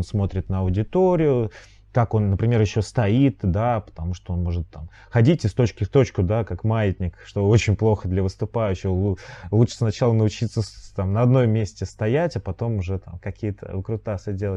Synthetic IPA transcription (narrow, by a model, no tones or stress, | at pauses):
nsmo̞t̪ɾʲɪt̪nəɐʊdʲɪt̪o̞ɾʲɪjʊ | kako̞nːəpɾʲɪmʲe̞rjɪɕːost̪ɐit̪d̪apə̥t̪ɐmuʂt̪oonmo̞ʐɨt̪ːam | xɐdʲitʲɪst̪o̞t͡ɕkʲɪft̪o̞t͡ɕkʊd̪akakmajɪt̪ʲnʲɪkʂt̪o̞o̞t͡ɕɪnʲplˠo̞xəd̪lʲɐvəst̪ʊpajʉɕːɪɣˠulˠut͡ʂə̥snɐt͡ɕalˠənəʊt͡ɕit̪səst̪amnəɐd̪no̞mmʲːesʲtʲɪst̪ɐjætʲapɐt̪o̞mʊʐɛt̪a̰mkɐkʲijət̪ʰə̰kɾʊt̪asədʲelˠə